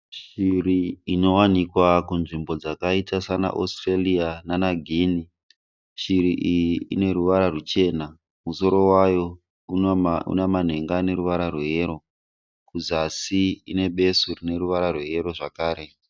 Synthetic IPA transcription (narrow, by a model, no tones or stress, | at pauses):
ʃiriino̞wanikwakunʐimbo̞d͡zakaitasana̰ʔo̰streliananaɡʱini | ʃiɾiʔijiine̞ɾuʋaɾarut͡ʃe̞na | muso̞ɾo̞wajo̞ | uṵnaman̤e̞ŋɡaːne̞ɾuʋaɾarweɦe̞ɾo̞ | kud͡zasiine̞ɓe̞surine̞ɾuʋaɾarweje̞ɾo̞ʐakaːɾe̞